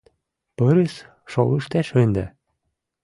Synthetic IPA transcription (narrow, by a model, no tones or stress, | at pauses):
pɤɾes | ʃoləʃt̪æʃønd̪æ